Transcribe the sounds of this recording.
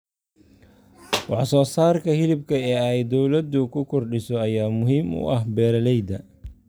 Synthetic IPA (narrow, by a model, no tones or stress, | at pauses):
wɑħsɔːsaːrkʰɐɦɪlɪb̚kʰɐɛːɛjd̪ɔwlɐd̪ʊkʰʊkʰɔrɖɪsɔɐjaːmʊɦiːmʊ̰ʔɐɦbɛːɾɐlɛjd̪ɐ